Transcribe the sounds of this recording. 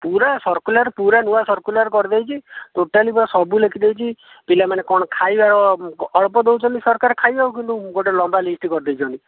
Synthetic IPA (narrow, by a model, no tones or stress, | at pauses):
puɾasɔɾkulaɾpuɾanuasɔɾkulaɾkɔɾid̪ejt͡ʃʰit̪uʈalibɔsɔbulekʰid̪ejt͡ʃʰi | pilamanekɔɽ̃ɔkʰajbaɾɔɔɭpɔd̪ewt͡ʃʰɔnisɔɾkaɾekʰajbaukint̪uɡoʈelɔmbalisʈikɔɾid̪ejt͡ʃʰɔni